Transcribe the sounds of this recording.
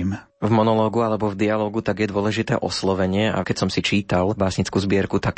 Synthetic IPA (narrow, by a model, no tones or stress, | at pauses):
m | vmɔnɔlɔːɡualɛbɔvd̪ialɔːɡut̪aɡjɛd̪ʊɔlɛʒit̪ɛ̰ːʔɔ̰slɔʋɛɲɪɛʔa̰kɛcsɔmsit͡ʃiːt̪albaːsɲit͡skuːzbɪɛɾkut̪ak